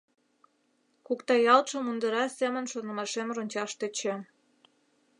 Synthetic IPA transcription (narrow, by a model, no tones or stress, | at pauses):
kukt̪ɑjɑlt̪ʃə̆mund̪əɾɑsemə̆nʃonə̆mɑʃemronʲt͡ɕɑʃt̪et͡ɕĕ